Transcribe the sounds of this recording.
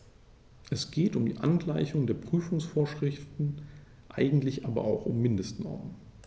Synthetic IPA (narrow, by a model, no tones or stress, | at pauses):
ʔɛsɡ̥eːtʊmdiːʔa̰nɡlaɪçʊŋdeːɐpʁ̥yːfʊŋsfoːɐʃʁ̥ɪftn̩ | ʔa̰ɪɡŋ̩tlɪçʔaːbɐ̰ʔaʊxʊmːɪndəstnɔ̰ɐmən